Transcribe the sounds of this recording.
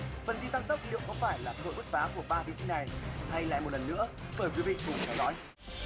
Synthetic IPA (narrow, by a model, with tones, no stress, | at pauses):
fə˨˩nt̪i˧t̪a˧ŋt̪ə˦˥k͡p̚lḭ˧˨əwŋ͡mkɔ˧˦faː˧˩jlaː˨˩t̪o̰˧˨jɓɨ˦˥t̚faː˨˦ku˧˩əɓaː˧vi˨˧˦zḭ˧˦na˨˩jha˧jla̰ː˧˨jmo˨˩t̚lə˨˩nːɨ̰˧˥əɓəː˧˩jkwɓi˧t͡ɕʊ˨˩ŋ͡mt̪ʰɛ˨˦wzɔ̰˧˦j